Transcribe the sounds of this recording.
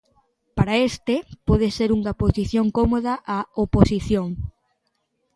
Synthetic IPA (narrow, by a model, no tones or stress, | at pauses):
paɾaest̪epɔð̞eseɾuŋɐposiθjoŋkomoðɐʔaoposiθjoŋ